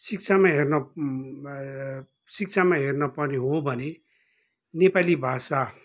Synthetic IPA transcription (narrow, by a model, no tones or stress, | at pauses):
sik̚t͡sʰamaɦernʌ | sik̚t͡sʰamaɦernʌpʌrneɦobʱʌne | nepalibʱasa